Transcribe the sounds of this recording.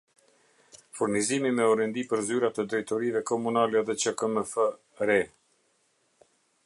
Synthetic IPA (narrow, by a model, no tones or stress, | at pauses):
fuɾnizimimɛɔɾɛnd̪ipəɾzyɾat̪əd̪ɾɛjt̪ɔɾivɛkɔmunalɛðɛt͡ʃəkəməfə | ɾɛ